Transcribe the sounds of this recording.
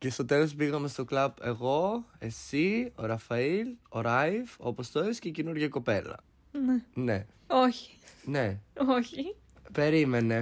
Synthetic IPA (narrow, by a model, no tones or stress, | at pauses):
ce̞st̪o̞t̪elospiɣɐme̞st̪o̞klɐbe̞ɣo̞e̞sio̞ɾɐfɐiloɾɐivo̞̰post̪oescecenuɾʝɐko̞pe̞lɐ̰ | nene | oçi̥neoçi | pe̞ɾime̞ne̞